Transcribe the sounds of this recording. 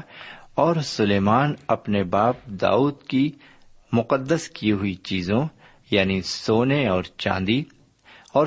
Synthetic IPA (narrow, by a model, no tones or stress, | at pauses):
ɔːɾsʊleːmaːnɐpnebaːp̚d̪a̰ːuːd̪ki | mʊqəd̪ːəskiɦʊit͡ʃiːzõ | jaːnisoːneɔːɾt͡ʃã̰ːnd̪i | ɔːɾ